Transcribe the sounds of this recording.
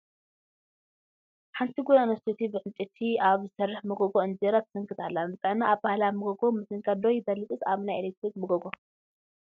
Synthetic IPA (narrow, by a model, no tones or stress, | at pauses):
ħant̪ʰiɡujanɐst̪ʰit̪ʰibɨʕɨnt̪ʼit̪ʰiaβzɨsɐrːɨħmɨɡoɡoɨnd͡ʒeɾat̪ʰɨ̥sɨŋkʰɨt̪ʰalːabɨt̪ʼɨʕnaːβbahlamɨɡoɡomɨsɨŋkʰad̪ojɪb̪ɐlːɨt̪ʼɨsaβnajelek̚t̪ɾik̚mɨɡoɡo